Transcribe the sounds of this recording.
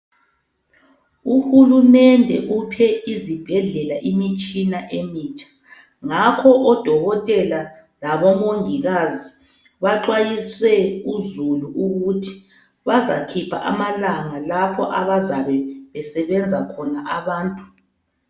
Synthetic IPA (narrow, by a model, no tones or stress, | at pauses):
uhulumɛndʱɛ̰ʔupʰɛizib̥ʱɛɮɛlaʔimit͡ʃʼinaʔemiːt͡ʃʰʼḁ | ŋakʰɔʔɔd̥ʱɔɣɔtʼɛla | laβɔmoŋiɣazi | βaǃwajiswɛuzuluʔuɣutʰi̥ | βazakʰipʰa̰ʔa̰malaŋalapʰɔʔaβazaβɛβɛsɛβɛnd͡zʱakʰɔnaʔaβaːntʼu̥